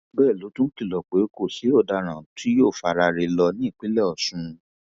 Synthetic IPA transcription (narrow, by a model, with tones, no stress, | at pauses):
bɛː˦˨lo˨˦tũ˦ki˦˨lɔ˨k͡pe˨˦ko˦˨si˨˦o˦˨da˧ɾ̃ã˨ti˦joː˦˨fa˧ɾa˧ɾe˧lɔ˧nĩ˦i˦˨k͡pi˨˦lɛ˦˨ɔ˨sũ˧˦